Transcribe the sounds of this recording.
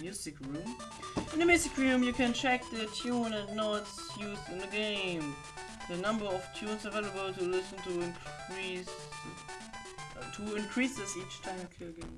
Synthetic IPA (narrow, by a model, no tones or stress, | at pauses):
mjʉzɨkɹũm | ɪ̃nəmjʉzɨkɹũmjɨkʰɨ̃nt͡ʃʰɛk̚ðətʰjunə̃nnoʊts | juzɨ̃nðəɡẽɪ̃m | ðɨnʌ̃mbə˞ɔftʰjũnsəveɪləbəl̩ˠtʰulɪsn̩tuɪ̃nkʰɹis | tʰuɪ̃nkʰɹ̥isɨsit͡ʃtʰãɪ̃mkʰiɡẽɪ̃m